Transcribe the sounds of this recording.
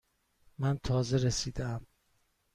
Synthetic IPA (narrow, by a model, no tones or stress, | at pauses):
mænt̪ʰɒːzeɾesiːd̪eæm